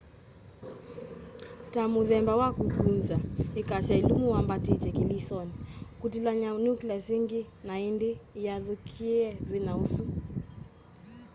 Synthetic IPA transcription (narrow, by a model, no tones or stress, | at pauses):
tamuðɛmbawakuɡunzaikaʃailumuwambatitɛkilisɔnikutilaɲaunuklɛsiŋɡi | naindijaðukʰiɛvinausu